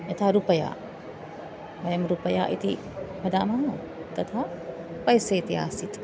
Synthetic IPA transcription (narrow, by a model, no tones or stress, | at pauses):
jɐt̪ʰaɾupəja̰ | ʋɐjɐmɾupəja̰ʔit̪ʰi | pʰɐd̪amaɦõ | t̪ɐt̪ʰa | pɐjseɪt̪ia̰ːsit̪ʰ